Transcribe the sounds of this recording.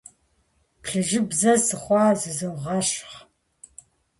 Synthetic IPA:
pʰɬɨʒɨbzɐsɨχʷɑːzɨzɨʁɐɕχ

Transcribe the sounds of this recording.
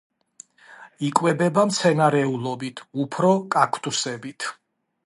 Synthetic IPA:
ikʼwɛbɛbamt̪sʰɛnaɾɛulˠɔbit̪ʰupʰɾɔkʼakʰt̪ʼusɛbit̪ʰ

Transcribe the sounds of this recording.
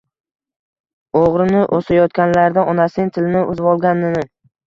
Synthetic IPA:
oʁɾɪnɪʔosajɒt̪kʲanlaɾd̪aɒnasɪŋt̪ʰɪlnɪʔʊzbɒlˠɡʲanːɪnɪ

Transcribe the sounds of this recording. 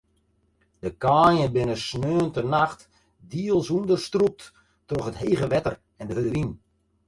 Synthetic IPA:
d̥əkaːjəbɪnəsnøːntənaxt | diəlˠsundərstrup̚t | trɔxətheːɣəʋɛtər | ɛndəɦədəɾin

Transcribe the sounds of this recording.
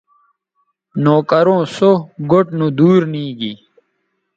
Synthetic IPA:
noːkəɾõːsoɡoʈnũd̪uːɾnĩːɡi

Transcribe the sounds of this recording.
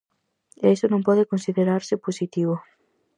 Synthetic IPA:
esonõmpɔðekõnsiðeɾaɾsɪposit̪iβ̞o

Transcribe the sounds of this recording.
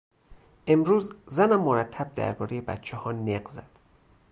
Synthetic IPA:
ʔe̞mɾuːzzænæmːoɾæt̪ʰːæb̚d̪æ̰ɾbɒːɾejebæ̰t̪t͡ʃʰehɒːneɢzæd̪̥

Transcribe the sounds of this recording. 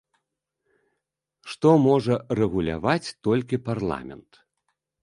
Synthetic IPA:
ʂt̪ɔmɔʐɐrɛɣulʲa̰vat͡sʲt̪ɔlʲkʲiparlˠa̰mʲɛ̰nt̪

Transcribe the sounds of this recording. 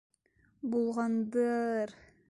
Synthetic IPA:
bulˠʁɑnd̪ɯɾ

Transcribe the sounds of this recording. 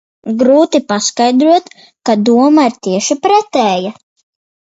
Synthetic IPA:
ɡɾuːt̪ipaskajd̪ɾuɔt̪ | kad̪uɔmaiɾt̪iɛʃipɾɛt̪ɛːja

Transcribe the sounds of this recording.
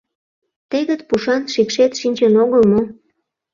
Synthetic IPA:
t̪eɣə̆t̪puʃɑnʃikʃet̪ʃinʲt͡ɕenoɣəlmo

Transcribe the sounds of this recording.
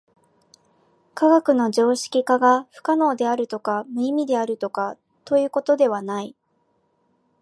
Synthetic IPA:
kaɡakɯ̟no̞ʑo̞ːɕi̥kʲikaɡaɸɯ̟̥kano̞ːd̪e̞aɾɯ̟t̪o̞kamɯ̟imʲid̪e̞aɾɯ̟t̪o̞ka | t̪o̞jɯ̟ːko̞t̪o̞d̪e̞β̞anai

